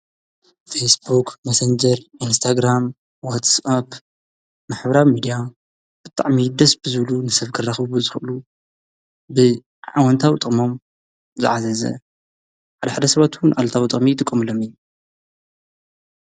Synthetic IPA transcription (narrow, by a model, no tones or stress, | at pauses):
fesbukʰmasɐnd͡ʒɐɾinst̪ʰaɡɾam | wat̪sap | maħbɾawmid̪ija | b̥ɨt̪ʼaʕmid̪ɐsb̥ɨzɨβlunɨsɐβkʰɨrːaxβuzɨxɨʔɨlu | bɨ | ʕa̰wɐnt̪ʰawt̪ʼɨχʼmo̞m | zɨ̰ʕazɐzɐ̰ | ħad̪ɐħad̪ɐsɐβat̪wunʕalt̪ʰawit̪ʼɨχʼmit̪ʼɨkʼːɐmɨlo̞mijːu